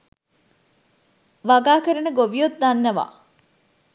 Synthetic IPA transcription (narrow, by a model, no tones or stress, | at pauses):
ʋaɡaːkəɾɐnəɡoʋijot̪̚d̪anːɐʋa̰ː